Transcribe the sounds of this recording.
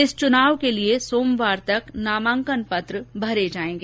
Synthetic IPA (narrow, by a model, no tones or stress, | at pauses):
ɪst͡ʃʊnaːʋkeliesoːmʋaːɾt̪ɐknaːmãːŋkənpɐt̪ɾəbʱɐɾed͡ʒaːẽːŋɡeː